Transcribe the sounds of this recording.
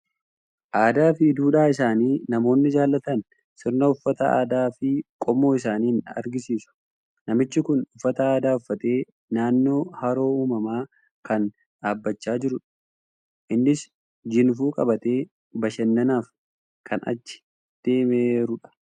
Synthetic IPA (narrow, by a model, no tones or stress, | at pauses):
ʔaːd̪aːfɪd̪uːᶑaːɪsaːniːnɐmo̞ːnːɪd͡ʒaːlːɐt̪ɐn | sɪɾnɐʊfːɐt̪ɐa̰ːd̪aːfɪkʼɔmo̞ːɪs̬aːniːɪnɐ̰ɾɡɪsiːsʊ̥ | nɐmɪt͡ʃːɪkʊnʊfːɐt̪ɐaːd̪aːʊfːɐt̪ʼe̞ː | naːnːo̞ːhɐɾo̞ːuːmɐmaː | kɐn | ᶑaːbːɐt͡ʃːaːd͡ʒɪɾʊᶑɐ̥ | ʔɪnːɪs | d͡ʒɪnf̬uːkʼɐbɐt̪eː | bɐʃɛnːɐnaːf | kʰɐnɐ̰t͡ʃːɪ̥ | d̪̥eːmeɾʊᶑɐ̥